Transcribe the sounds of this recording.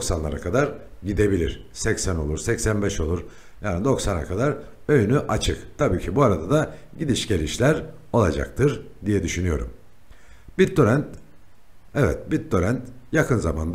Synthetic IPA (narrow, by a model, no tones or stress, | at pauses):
d̪oksanlˠaɾa̰kʰad̪aɾɟid̪e̞bilʲḭɾ̥ | sɛcsæno̞lˠuɾsɛcsænbɛʃo̞lˠuɾ | jaːnid̪o̞ksana̰kʰad̪aɾ | ø̞jynyʔat͡ʃʰɯkt̪ʰabiːcʰibuaɾad̪ad̪aɟid̪iʃɟe̞ɾiʃlʲæɾ | o̞lˠad͡ʒa̰k̚t̪ʰɯɾ | d̪ijɛd̪yʃynyjo̞ɾṵm | bioɾænt̪ | ɛvɛ̰t̪̚bit̪̚d̪o̞ɾænt̪jakʰɯnzama̰nd̪a